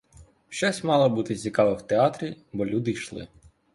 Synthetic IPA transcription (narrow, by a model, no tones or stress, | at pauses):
ʃt͡ʃɔsʲmɑlˠɔbut̪ɪt͡sʲikɑʋɪwt̪eɑt̪ɾʲibɔlʲud̪ɪjʃlˠɪ̰